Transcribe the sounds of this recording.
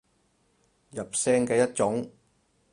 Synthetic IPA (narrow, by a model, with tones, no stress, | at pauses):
jɐ˨p̚sɛː˥ŋkɛː˧jɐ˥t̚t͡ʃʊ˨˥ŋ